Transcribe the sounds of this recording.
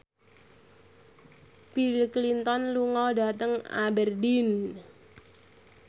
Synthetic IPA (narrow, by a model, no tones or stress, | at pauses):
bilklint̪ɔnluŋɔda̤t̪əŋa̰bɛrdin